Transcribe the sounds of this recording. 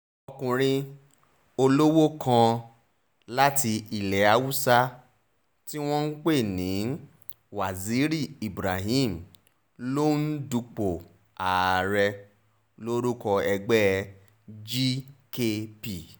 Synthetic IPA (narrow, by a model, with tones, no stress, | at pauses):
ɔ˧kũ˨ɾ̃ĩ˧ | o˧lo˦wo˦kʰã˧ | la˦ti˧i˨lɛ˨˦a˧wu˦sa˦ | ti˦w̃ɔ̃˦n̩˦k͡pe˦˨nĩ˨˦ | wa˨zi˨˦ɾi˦˨i˨bɾa˨ɦĩ˦˨m̩˨ | lo˦n̩˦du˧k͡po˨ | a˨ɾɛ˧ | lo˦ɾu˦kɔ˧ɛ˧ɡ͡bɛ˦˧ | d͡ʒi˦ke˧pi˨